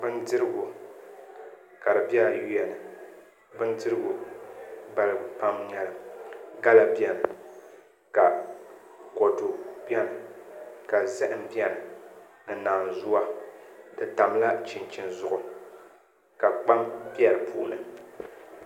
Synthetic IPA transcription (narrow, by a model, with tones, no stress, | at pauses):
bɨ˦ndɨ˦ɾɨ˦ɡʊ˨ | ka˨ɾɨ˨bi˦a˦ji˦ɛ˨nɨ˨ | bɨ˦ndɨ˦ɾɨ˦ɡʊ˨ | ba˦lɨ˦pa˦mɲɛ˨lɨ˨ɡa˦la˨bi˦ɛ˨mɨ˨ | ka˨ | kɔ˨tʊ˨bi˦ɛ˦m˨ka˨zɛ˦ʔɨ˨mbi˦ɛ˨ɾɨ˨ | nɨ˨naː˨n˨zʊ˦wa˦dɨ˨ta˨mla˦t͡ʃɪ˨nt͡ʃɪ˨nzʊ˨ʔʊ˨ | ka˨k͡pa˦mbi˦ɛ˦˨ɾɨ˨pṵː˨nɨ˨